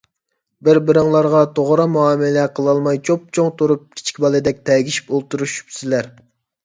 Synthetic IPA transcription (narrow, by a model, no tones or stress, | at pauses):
bɪɾbɪɾɨŋlˠɑɾʁɑt̪ʰoʁɾɑmuɑːmɪlɛqʰəlˠɑlˠmɑjt͡ʃʰop̚t͡ʃʰoŋt̪ʰoɾup̚kʲʰi̥t͡ʃʰkʲbɑlˠɨd̪ɛk̚ʲt̪ʰɛɡʲiʃi̥polˠt̪uɾuʃy̥psɪlæɾ